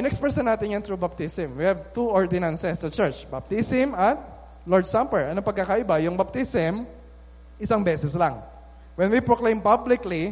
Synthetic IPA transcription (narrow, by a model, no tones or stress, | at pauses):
ɪnɛkspɛsɐnaːt̪ɪnjɐnt̪ɹubɐp̚t̪isɪmwihɛvt̪uʔɔɹd̪ɛnansɛsːɐt͡ʃɛɹt͡ʃbɐp̚t̪isɪmɐt̪̚ | lɔɹd̪sampɛɹɐnɐpɐɡ̚kakaʔɪbajʊŋbɐp̚t̪isɪm | ʔɪsaŋbɛːsɛslaŋ | wɛnwipɹoklẽjmpablɪkli